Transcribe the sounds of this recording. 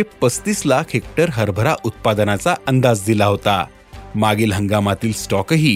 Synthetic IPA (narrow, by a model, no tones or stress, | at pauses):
epəst̪iːslakʰɦek̚ʈəɾɦəɾbʱəɾaʔut̪̚pad̪ənat͡saənd̪ad͡zd̪ilaɦot̪a̰ | maɡiːlɦəŋɡamat̪iːlsʈɔkɦiː